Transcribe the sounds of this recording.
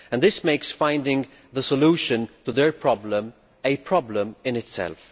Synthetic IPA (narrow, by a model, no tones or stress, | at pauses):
ɨ̃nðɪsmeɪksfãɪ̃ndɪ̃ŋ | ðəsəluʃɨ̃ntəðə˞pʰɹ̥ɑblə̃m | ɨpʰɹ̥ɑblə̃mɪ̃nɨtsɛ̰lˠf